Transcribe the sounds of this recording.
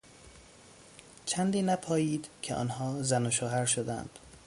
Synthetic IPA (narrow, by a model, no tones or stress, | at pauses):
t͡ʃʰænd̪iːnæpʰɒːjiːd̪̥cʰeʔɒ̰ːnhɒːzænoʃoːɦæɾʃod̪æ̰nd̪̥